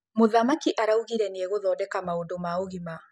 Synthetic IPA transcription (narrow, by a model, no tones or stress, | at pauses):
moðamakiʔaɾauɣiɾɛneɛɣoðɔːdɛkamaondomaoɣima